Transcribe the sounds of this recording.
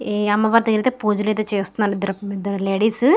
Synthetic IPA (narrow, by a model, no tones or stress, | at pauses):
ɐmːɐʋaːɾɐt̪ɐɡiɾit̪epuːd͡ʒulet̪et͡ʃeːst̪unːaːnid̪ɐɾɐid̪ɐɾɐleːɽiːs